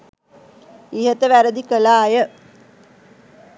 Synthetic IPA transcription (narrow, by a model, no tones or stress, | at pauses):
iɦət̪əʋæɾəd̪ikəlaːjə